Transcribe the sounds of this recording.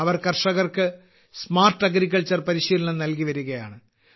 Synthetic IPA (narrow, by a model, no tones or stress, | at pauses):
ɐʋɐrkɐrʂɐɣɐrkɨ | smaːrʈːɐɡɾik̬ːɐlt͡ɕːɐrpɐɾiɕiɐnɐnɐlkiʋɐɾuɣɐja̰ːɳɨ